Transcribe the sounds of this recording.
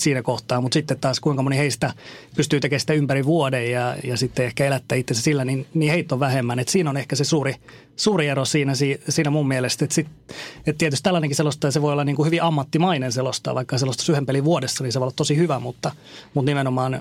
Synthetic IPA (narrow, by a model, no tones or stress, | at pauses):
siːnækoht̪ɑːmut̪sit̪ːet̪t̪ɑːskuiŋkɑmoniheist̪æpyst̪yːt̪ekeːsi̥t̪æympæriʋuodejjɑjɑsit̪ːeehkæelæt̪ːæːit̪ːensesilːæninniːheit̪ːoʋʋæhemːænet̪siːnonehkæsesuːri | suːrieɾosiːnæsiːsiːnæmummielest̪et̪sit̪et̪t̪iɛet̪yst̪ælːænẽŋkiselost̪ˑɑːjɑseʋoiolːɑniːŋkuhyʋiʔɑmːɑt̪ːimɑinenselost̪ɑ̰ʋɑikːɑselost̪ɑ̥syhempeliʋuodesːɑninseʋoilːɑt̪tosihyʋæmut̪ːɑ | mut̪nimenomɑːn